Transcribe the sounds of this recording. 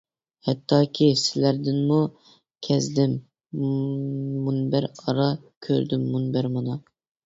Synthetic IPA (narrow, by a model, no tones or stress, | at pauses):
hɛt̪ʰːɑːkʲʰisɪlæɾd̪ɪnmu | kʲʰɛzd̪ɪm | munbæɾɑɾɑkʲʰø̰ɾd̪ɪmːunbæɾmɑnɑ